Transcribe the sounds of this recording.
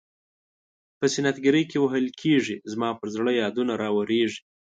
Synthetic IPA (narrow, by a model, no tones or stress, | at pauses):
pəsɪnat̪ɡaɾəjkewaɦəlkʰeʐizmɑpəɾzɽəjɑd̪unaɾɑwaɾeʐi